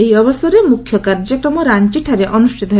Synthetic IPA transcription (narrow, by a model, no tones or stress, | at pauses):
ejɔbɔsɔɾemukʰjɔkaɾd͡ʒɔkɾɔmoɾant͡ʃiʈʰaɾeʔɔnuʃʈʰit̪ɔɦ